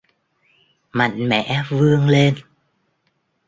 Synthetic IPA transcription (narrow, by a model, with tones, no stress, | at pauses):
ma̰˧˨jŋmɛ̰˧˩˨vɨ˧əŋle˧n